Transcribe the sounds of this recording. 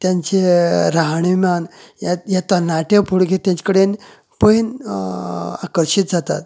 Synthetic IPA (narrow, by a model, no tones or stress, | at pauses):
t̪jaɲt͡ɕeɾaɦaɳ̃imanjajat̪anaʈjapuɽɡet̪jãɲt͡ɕkəɽen | pəin | a̰kəɾɕit̪̚d͡zat̪a̰t̪̚